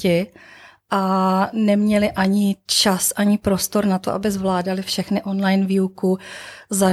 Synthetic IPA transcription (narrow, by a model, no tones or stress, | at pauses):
ɪ | ʔanɛmɲɛlɪʔaɲɪt͡ʃasʔaɲɪpɾo̞st̪o̞ɾnat̪o̰ʔa̰bɪzvlaːdalɪfʃɛxnɪʔo̞nlajnviːukʊza